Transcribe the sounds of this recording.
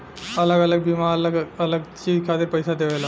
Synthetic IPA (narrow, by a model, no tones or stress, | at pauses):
ɐləɡɐləɡ̚bimaːɾləɡɐləɡt͡ʃiːd͡ʒkʰaːt̪ɪɾpɐɪsad̪eʋela